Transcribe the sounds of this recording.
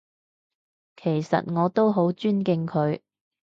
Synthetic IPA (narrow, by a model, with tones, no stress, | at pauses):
kʰe˨˩jsɐ̰˨t̚ŋɔː˨˧t̪o˥wɦo˨˥wt͡ʃyː˥nkɪ˧ŋkʰɵ˨˧˥ɥ